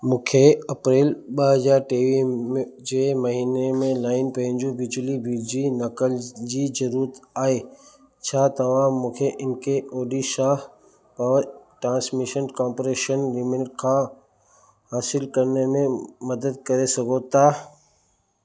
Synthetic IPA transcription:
mũːkʰeɐpɾeːlɓəɦɐzaːɾʈeːʋimd͡ʑeːmɐɦiːnemẽlaːɪnpɐ̃ɦɪ̃ɲd͡ʑuʋɪd͡ʑəliʋiːd͡ʑinɐkəld͡ʑiːzɐɾuːɾət̪aːɦe | t͡ɕʰaːt̪ɐʋ̤ãmũːkʰeʔɪnkʰeoːɖiʃaːɦ | pɐəʈɾãːsmiʃənkãːmpɾeːʃənɾɪmɪnʈ̚kʰã | haːsɪlkɐɾnemẽmɐd̪əd̪̚kɐɾesɐɡʱot̪ʰaː

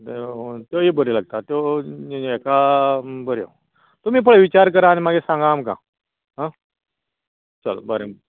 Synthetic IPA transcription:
t̪et̪jojebəɾelaɡ̚t̪at̪jo | ekabəɾjo̰ | t̪ɔmiːpəɭeʋit͡ɕaɾk̬əɾaːnimaɡesãŋɡamkã̰ | ɦã | t͡ɕəlbəɾe

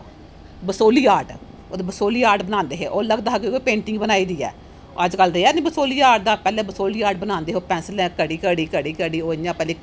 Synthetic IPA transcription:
bəsoːliːaːʈ | oːd̪bəsoːliːaːɾɖbənãːnd̪eːɦeːʔoːləɡd̪aːɦakeoːpẽːɳʈɪ̃ŋɡbənaːiːd̪iːɛ̰ː | əd͡ʒkəlɾəiɛːnĩːbəsoːliːaːʈd̪aːpɛːlɛ̃ːbəsoːliːaːɖbənãːnd̪eːɦoːpɛ̃ːnsəlɛ̃ːkəɽiːkəɽiːkəɽiːkəɽiːoːjãːpɛːleː

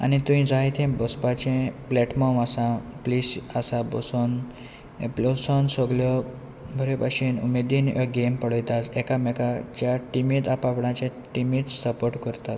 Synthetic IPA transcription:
a̰nit̪ũĩd͡zaɦit̪ʰẽbɔspat͡ɕẽplɛʈmɔmasãplisasãbɔ̰son | eplosɔnsɔɡljɔ | bʱəɾepaɕiːnṵmed̪iːnjɔ̰ɡempəɽəjt̪at̪ɛkamɛkat͡ɕjaʈimit̪apapɽãt͡ɕja | ʈimit̪səpoɾʈkəɾt̪at̪

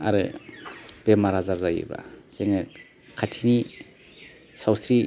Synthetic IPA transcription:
a̰ɾɯ̰ | b̥emaɾazaɾzajḛba̰seŋe | kʰatʰini | sawsɾi

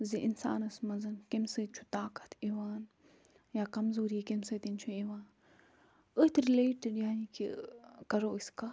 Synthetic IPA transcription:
ziʔinsa̰ːnɐsmɐzɐnkemsɨːt̪̚t͡ʃʰu̥t̪aːkɐ̥t̪ʰeʋaːn | jaːkɐmzoːɾiːkemsɨːt̪int͡ʃʰueʋaːn | əht̪ɾileːʈiɖjaːnikʰḭkɐɾoːəska

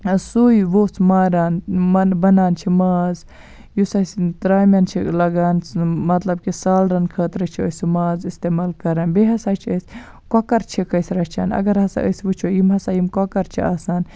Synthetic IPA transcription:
sujʋoːt͡smaːɾaːnɐbɐnaːnt͡ʃʰimaːz | jusɐst̪ɾaːmʲjant͡ʃʰilɐɡaːnmɐt̪lɐbkisaːlɾɐnkʰɐːt̪ɾɐt͡ʃʰiəsumaːzist̪eːmaːlkɐɾaːnbeɦɐsaːt͡ʃʰiəsʲ | kokɐɾt͡ʃʰikɐjsɾɐt͡ʃʰa̰ːnɐ̰ɡɐɾhɐsa̰ʔə̰sʋɨt͡ʃʰoːjimɦɐsajimkokɐɾt͡ʃʰiaːsaːn

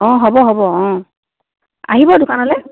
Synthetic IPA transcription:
ɔ̃ɦɔbɔɦɔbɔɔ̃ | a̰ɦibɔdʊkʰanɔlɛ

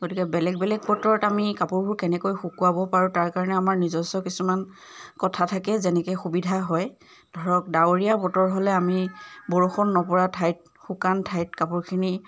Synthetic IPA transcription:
ɡotikɛbɛlɛɡ̚bɛlɛk̚pɔtɔɹɔtamikapuɹbʱuɹkɛnɛkojxukuabɔpaɹutaɹkaɹɔnɛamaɹnizɔsɔkisuman | kɔtʰatʰakɛzɛnɛkɛxubidʱaɦɔj | dʱɔɹɔk̚daɹijapɔtɔɹɔɦɔlɛamibɔɹoxɔnːɔpɔɹatʰajt̚ | xukantʰajt̚kapuɹkʰini

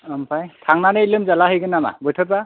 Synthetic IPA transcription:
ɔmpʰajtʰaŋnanɯlɯmzalaɦɯjkʰɯnama̰bɔjtʰɔt̚ba

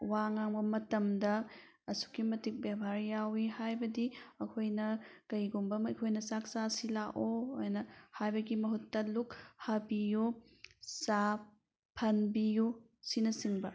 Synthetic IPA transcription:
waŋaŋbɐmɐtɐmdɐ | ɐsu̥kimɐtik̚babʱaɾjawihajbɐdiɐkʰojnɐkɐjɡumbɐmɐkʰojnɐsak̚sasilaʔojnɐhajbɐɡimɐɦutːɐluk̚hɐbiju | sa | pʰɐnbiju | sinɐsiŋbɐ

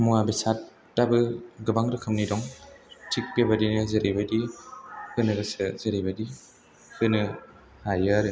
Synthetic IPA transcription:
muabisatː | abɯɡɯbaŋɾɯkʰɯmnidɔŋtʰik̚bebadinɯzeɾibadi | hɯnɯɡɯsɯzeɾibadi | hʰɯnɯ | hajɯɾɯ

